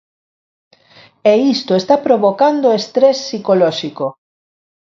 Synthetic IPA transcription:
eist̪oest̪apɾoβokand̪oest̪ɾɛsːikolɔʃiko

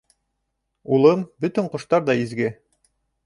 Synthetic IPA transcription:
ulˠɤmbɵt̪ɵɴqŏʃt̪ɑɾðɑizɡɘ

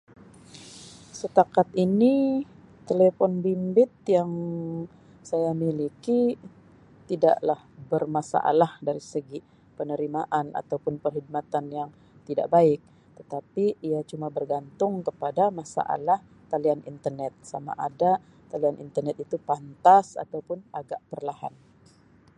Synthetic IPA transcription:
sət̪akat̪ini | t̪elefɔnbimbɪt̪̚jaŋ | sajamiliki | t̪ida̰ʔlahbərmasa̰ʔa̰lahdaɾisəɡi | pənəɾimaʔana̰t̪awpʊnpərɦid̚mat̪anjaŋ | t̪ida̰ʔbaɪk̚ | t̪ət̪apiːat͡ʃumabərɡant̪ʊŋkəpadamasa̰ʔa̰lah | t̪alianḭnt̪ərnɛt̪̚sama̰ʔada | t̪alianʔḭnt̪ərnɛt̪̚it̪upant̪asa̰t̪awpʊnaɡaʔpərlaha̰n

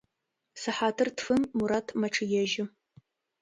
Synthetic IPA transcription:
sɨħaːtʰɨrtfɨmːuɾatʰmɐʈ͡ʂʰɨjɛʒɪ

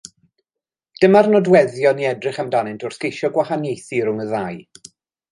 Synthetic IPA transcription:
d̥əmarnɔdwɛðjɔniɛdrɪχamdanɪntʰʊrθkejʃɔɡwahanjejθiɾʊŋəðaj

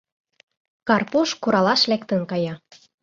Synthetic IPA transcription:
kɑrpuʃkuɾɑlɑʃlækt̪ə̆nkɑjɑ

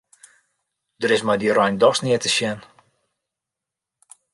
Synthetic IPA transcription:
dəɾɪsmajdiɾɔjndɔsnɪətəʃjɛn

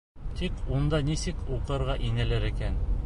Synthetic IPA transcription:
t̪ikund̪ɑnisɘkuqɤ̆ɾʁɑʔinɘ̆læɾɘ̆kæn

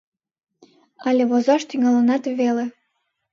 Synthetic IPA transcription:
ɑlʲeβozɑʃt̪yŋɑlənɑt̪βele

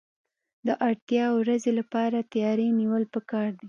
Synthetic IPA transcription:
d̪əʔaɽt̪jɑwɾazelapɑɾat̪ajɑɾeniwəlpəkɑɾd̪i

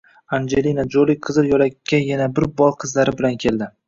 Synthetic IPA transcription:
and͡ʒelinad͡ʒolɪj̚qʰɨzɪɾjɒlakʲːajanabɪɾbɒlˠqʰɨzlaɾɪbɪlankʲʰe̞ld̪ɪ

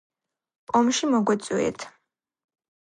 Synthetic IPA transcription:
pʼɔmʃimɔɡwɛt̪sʼwiɛ̰t̪ʰ

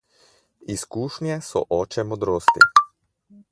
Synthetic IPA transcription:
iskuːʃnjɛsɔ̰ʔɔːt͡ʃɛmod̪ɾoːst̪ḭ

